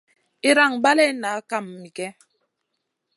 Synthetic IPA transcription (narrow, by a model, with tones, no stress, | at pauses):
i˦ɾa˦˨ŋba˦lɛ˦na˨˦ka˦˨mːi˨kɛ˦